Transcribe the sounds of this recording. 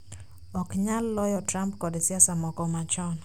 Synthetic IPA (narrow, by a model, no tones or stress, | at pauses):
ɔkɲalːɔjɔtɾampkɔdesɪasamɔkɔmat͡ʃɔn